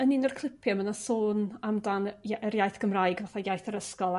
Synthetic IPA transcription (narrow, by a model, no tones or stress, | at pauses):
əninərkʰlˠɪpʰjɔmənasoːnamdanaəɾjajθɡ̥əmrajɡvaθajajθəɾəskɔlˠ